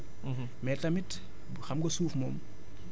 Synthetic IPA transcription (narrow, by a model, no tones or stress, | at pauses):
mɛtɐmit | xɐmɡɔsuːfmɔm